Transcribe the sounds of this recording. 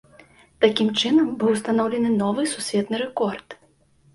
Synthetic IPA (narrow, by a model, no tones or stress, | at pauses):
t̪akʲimt͡ʂɨnɐmbɨwst̪anɔwlʲɛnɨnɔvɨsusʲvʲɛt̪nɨɾɛkɔrt̪